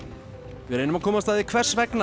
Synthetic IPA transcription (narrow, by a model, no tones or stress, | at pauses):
vɪɾeːjnʏmakʰɔːmast̪aːðikʰvɛr̥svɛkna